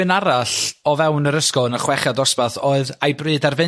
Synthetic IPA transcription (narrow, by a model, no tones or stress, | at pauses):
ɨnaɾaɬɔvɛwnəɾəskɔnəχwɛχjadɔspaθoɨðajbrɨːdarvɨ